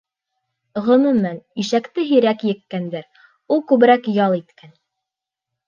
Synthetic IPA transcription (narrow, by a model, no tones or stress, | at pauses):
ʁɤ̆mɘ̆mæniʃækt̪ɘɦiɾækjɘ̆kːænd̪æɾ | ulˠkʉβɘ̆ɾækjɑlˠit̪kæn